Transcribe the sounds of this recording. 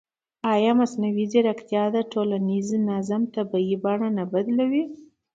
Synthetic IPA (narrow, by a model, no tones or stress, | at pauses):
ɑjɑmasnawizeɾakt̪jɑd̪aʈolaniznazamt̪abaibɑɳanabad̪lawi